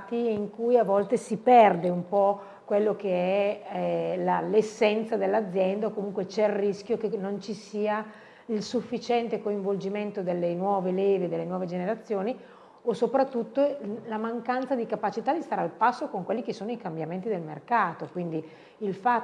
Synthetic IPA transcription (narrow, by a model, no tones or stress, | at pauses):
t̪iiŋkujavɔlt̪esipɛrd̪eumpɔ | kwelːokeɛ | lalesːɛnt̪sad̪elːad̪zːjɛnd̪aokomuŋkwet͡ʃɛrːiskjokenont͡ʃisiːa | ilsufːit͡ʃɛnt̪ekoiɱvold͡ʒiment̪od̪elːenwɔːveleːved̪elːenwɔːved͡ʒeneɾat̪sːjoːni | osopɾat̪ːut̪ːolamaŋkant̪sad̪ikapat͡ʃit̪ad̪ist̪aɾealpasːokoŋkwelːikesːoːnoikambjament̪̬id̪elmḛrkaːt̪okwind̪i | ilfa